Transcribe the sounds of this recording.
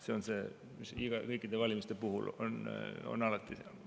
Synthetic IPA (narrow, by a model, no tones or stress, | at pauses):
se̞o̞nse̞ː | misiɡ̥ɑkɤjkːˑid̪evɑlʲimist̪e̞puɦṵlo̰no̰nɑlɑt̪ːˑi